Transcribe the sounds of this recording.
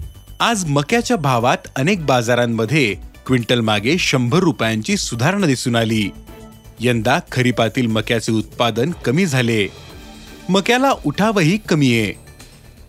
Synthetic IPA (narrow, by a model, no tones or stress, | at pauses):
ad͡zməkjat͡ɕjabʱaʋat̪ənek̚bad͡zaɾamːəd̪ʱːjekʋiɳʈəlmaɡeɕəmbʱəɾupjaɲt͡ɕiːsud̪ʱaɾɳəd̪isuːnaliː | jənd̪akʰəɾipat̪iːlməkjat͡seut̪̚pad̪ənkəmiːd͡zʱale | məkjalaʔuʈʰaʋəɦiːkəmiːje